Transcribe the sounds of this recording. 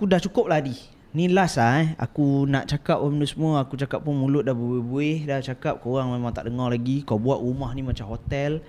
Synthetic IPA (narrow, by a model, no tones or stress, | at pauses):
akudaht͡ʃukʊp̚ladi | nĩlasaa̰kunaʔt͡ʃakap̚amənusəmuəakut͡ʃakap̚pʊnmulʊt̪̚dahbuebuehdaht͡ʃakap̚koɣaŋmemãŋt̪a̰ʔdəŋɔrlaɡikawbuaʔɣumahnĩmat͡ʃamɦot̪ɛl